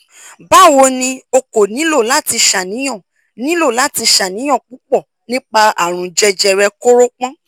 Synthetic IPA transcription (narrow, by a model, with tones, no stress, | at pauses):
ba˦˨wo˧˦nĩ˧o˧ko˨nĩ˨˦lo˦˨la˦ti˧ʃa˨nĩ˨˦j̃ɔ̃˦˨ | nĩ˨˦lo˦˨la˨˦ti˧ʃa˨nĩ˨˦j̃ɔ̃˦˨k͡pu˨˦k͡pɔ˦˨ | nĩ˦k͡pa˧a˦˨ɾ̃ũ˨d͡ʒɛ˧d͡ʒɛ˧ɾɛ˧ko˦ɾo˦k͡pɔ̃˦